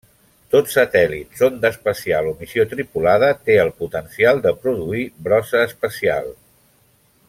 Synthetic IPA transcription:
t̪otsət̪ɛlit̪sond̪əspəsialomisiot̪ɾipulað̞ət̪eəlˠput̪ənsialˠd̪əpɾuðuiβɾɔsəːspəsia̰lˠ

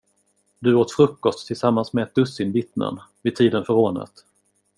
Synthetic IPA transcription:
d̪ɵoːt̪fɾɵkːɔst̪ʰːɪlsamːansmɛɛt̪̚d̪ɵsːɪnvɪt̪nə̰n | vɪd̪̚t̪ʰiːd̪ənfœɾoːɳə̰t̪

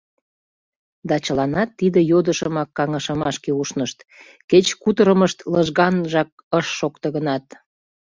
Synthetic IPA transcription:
d̪ɑt͡ɕəlɑnɑt̪ːid̪əjod̪əʃəmɑkːɑŋəʃəmɑʃkeuʃnəʃt̪ | ket͡ɕkut̪əɾəməʃt̪ləʒɣɑnʒɑk̚əʃːokt̪əɣənɑt̪

